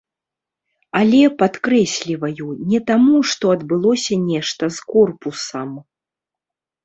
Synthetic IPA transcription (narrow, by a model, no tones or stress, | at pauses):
alʲɛpat̪kɾɛsʲlʲivɐjunʲɛt̪amuʂt̪ɔɐd̪bɨlˠɔsʲɐnʲɛʂt̪ɐskɔrpusɐm